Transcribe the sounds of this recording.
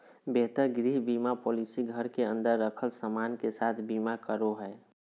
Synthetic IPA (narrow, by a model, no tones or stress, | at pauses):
beɦt̪əɾɡɾiɦbimapoːlisiɡʱəɾkeə̃nd̪əɾːəkʰəlsəmankesat̪ʰbimakəɾoɦɛ